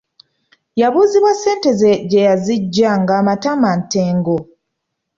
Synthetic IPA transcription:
jaβuːziβwase̞ːnte̞zeɟejaziɟːaŋɡaːmatamanteːŋɡo

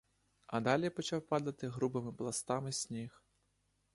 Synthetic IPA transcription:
ɐd̪alʲijpɔt͡ʃawpad̪ɐt̪ɪɣɾubɨmɪplˠast̪amɨsʲnʲix

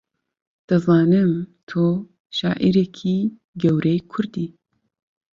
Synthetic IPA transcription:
d̪̥ɨzɑːnɨmt̪ʰoː | ʃaːʔiɾɛkʰiː | ɡɛwɾɛjkʰʊɾd̪iː

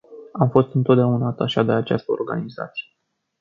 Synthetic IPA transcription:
amfo̞st̪ɨnt̪o̞t̪d̪aunat̪aʃad̪e̞at͡ʃast̪əo̞̰rɡa̰niza̰t̪sije

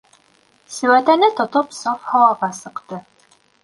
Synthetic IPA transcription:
sɘ̆wæt̪ænɘt̪ŏt̪opsɑfhɑwɑʁɑsɤ̆qt̪ɤ

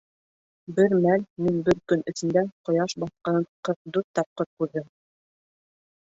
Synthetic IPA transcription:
bɘɾmælminbɘɾkɵnɵ̆θɘ̆nd̪æqŏjɑʃbɑθqɑnqɤɾ̚d̪uɾt̪ɑp̚qɤɾ̚kʉɾðɘm

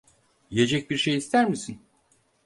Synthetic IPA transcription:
je̞d͡ʒɛc̚biɾʃejist̪ʰæɾmisin

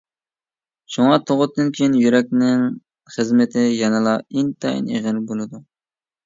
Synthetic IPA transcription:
ʃuŋɑt̪ʰoʁʊt̪̚ʰːɨnkʲʰejinjyɾɛk̚ʲnɪŋ | χəzmɪt̪ʰɪjɛnɨlˠɑint̪ʰɑḭneʁɪlbolˠɨd̪u

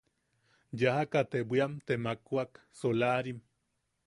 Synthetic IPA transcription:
jahakat̪ebʷiamt̪emakuak | solaɾim

